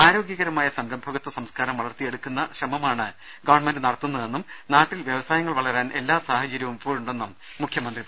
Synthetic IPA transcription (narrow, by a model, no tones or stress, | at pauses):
aːɾo̞ːɡjɐɣɐɾɐmaːjɐsɐmɾɐmbʱɐɣɐt̪ːɐsɐmskaːɾɐmʋɐɭɐrt̪ːije̞ɽukːunːɐɕrɐmɐmaːɳɨ | ɡɐʋɐɳmendɨnɐɽɐt̪ːunːɐðe̞nːumnaːtːilʋjɐʋɐsaːjɐŋːɐɭʋɐɭɐɾaːnʔe̞̰lːaːsaːhɐt͡ɕɐɾjɐʋumpoːɭuɳɖe̞nːumː | ukʰjɐmɐnd̪rið